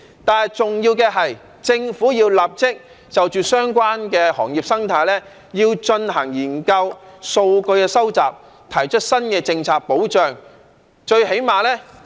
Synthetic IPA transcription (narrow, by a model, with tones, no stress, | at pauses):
t̪aː˨˩nɐ˨jt͡sʊ˨ŋjiː˧wkɛː˧ɦɐ˨j | t͡sɪ˧ŋfuː˨˥jiː˧wlaː˨p̚t͡sɪ˥k̚ | t͡sɐ˨wt͡ʃyː˨sœː˥ŋkʷaː˥nkɛː˧hɔː˨˩ŋjiː˨p̚sɐ˥ŋt̪ʰaː˨˧˥jlɛː˥ | jiː˧wt͡ʃɵ˧nɦɐ˨˩ŋjiː˨˩nkɐ˧wso˧wkɵ˧ɥkɛː˧sɐ˥wt͡sa̰ː˨p̚ | t̪ʰɐ˨˩jt͡ʃʰɵ˥t̚sɐ˥nkɛː˧t͡sɪ˧ŋt͡sʰaː˨k̚po˨˥wt͡ʃœː˨˩ŋ | t͡ʃɵ˧ɥhe˨˥jmaː˨lɛː˥